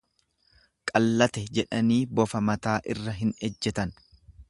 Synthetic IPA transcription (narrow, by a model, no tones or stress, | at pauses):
kʼɐlːɐt̪ɛd͡ʒɛᶑɐniːbɔfɐmɐt̪aːʔɪrːɐɦɪnɛd͡ʒːɛt̪ɐn